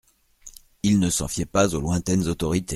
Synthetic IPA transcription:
ilnəsɑ̰̃fjɛpazolwɛ̃t̪ɛnzot̪ɔʁit̪e

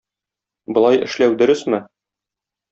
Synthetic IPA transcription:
bŏlˠɑjɘ̰̆ʃlæwd̪ɵ̆ɾɘsmɘ

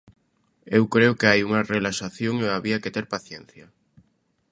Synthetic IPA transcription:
ewkɾeʊkeajuŋɐrelaʃaθjoŋeaβiɐket̪eɾpaθjen̟θjɐ

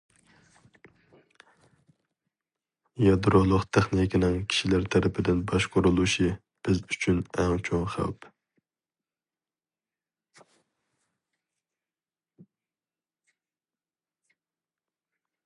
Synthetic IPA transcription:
jɑd̪ɾolˠʊqt̪ʰeχnikʲinɪŋkʲʰi̥ʃilæɾt̪ʰæɾɪpʰɪd̪ɪnbɑʃqʰʊɾulˠuʃi | b̥ɪzyt͡ʃʰynæŋt͡ʃʰoŋχæ̰lp

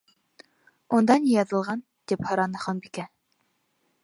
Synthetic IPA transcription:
und̪ɑnijɑðɤ̆lˠʁɑn | t̪iphɤ̆ɾɑnɤχonbikæ

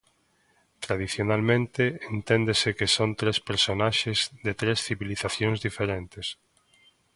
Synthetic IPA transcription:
t̪ɾaðiθjonalmẽnt̪ɪent̪end̪esɪkesont̪ɾespeɾsonaʃezðet̪ɾesθiβiliθaθjõŋzðifeɾent̪es

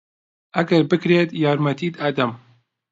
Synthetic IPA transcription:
ʔɐɡɐɾbɨkɾeːt̪jɑːɾmɐt̪ʰiːt̪aːd̪ɐm

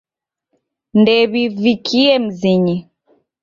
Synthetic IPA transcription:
ndɛβivikʰiɛm̩ziɲi

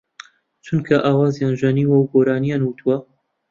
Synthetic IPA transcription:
t͡ʃʰunkʰɐʔaːwaːzjaːnʒɛniːwɐwɡoːɾaːnijaːnwut̪ʰuwɐ

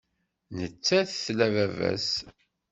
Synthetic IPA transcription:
nət͡sːæθθlævævæ̰s

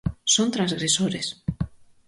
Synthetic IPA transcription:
sõnt̪ɾãnzɣɾesoɾes

